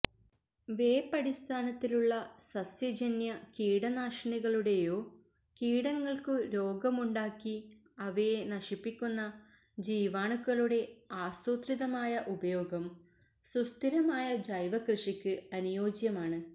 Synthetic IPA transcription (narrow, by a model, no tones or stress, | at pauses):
ʋe̞ːpːɐɽist̪ʰaːnɐt̪ːiluɭːɐsɐsjɐd͡ʑɐnjɐkiːɽɐnaːʂɐɳiɣɐɭuɽe̞jo̞ː | kiːɽɐŋːɐɭkɨɾo̞ːɡɐmuɳɖaːkːi | ɐʋejenɐʂipːikʲːunːɐ | d͡ʑiːʋaːɳukːɐɭuɽe̞aːst̪uːt̪riðɐmaːjɐʔubɐjo̞ːɡɐm | sust̪ʰiɾɐmaːjɐd͡ʑɐjʋɐkrɨʂikʲːɨɐnujo̞ːd͡ʑjɐmaːɳɨ